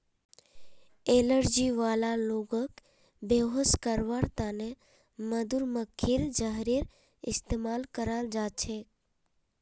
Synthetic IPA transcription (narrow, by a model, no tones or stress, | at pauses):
eləɾd͡ʒiʋalaloɡək | beɦəskəɾʋaɾt̪ane | məd̪uɾməkʰːiɾd͡ʒaɦɾiɾ | ɪst̪emalkəɾald͡ʒat͡ʃʰe